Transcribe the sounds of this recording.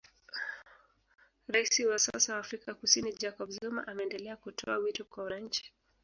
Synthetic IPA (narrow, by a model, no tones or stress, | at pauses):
ɾaisiwasa̰sawaːfɾikakusinid͡ʒakɔbzuma̰ʔamɛːndɛlɛakutʰɔ̰awitɔkwawanaɲ̩t͡ʃi̥